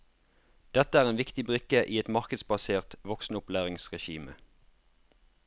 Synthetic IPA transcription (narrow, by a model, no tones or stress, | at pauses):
d̪̥ɛt̪əæːʁeːnʋɪkt̪ɪbʁʏkəʔiːɛt̪mɑʁkəd̪sbɑseːʁt̪ʋɔksn̩əʊplæːʁɪŋsʁɛʃiːmə̰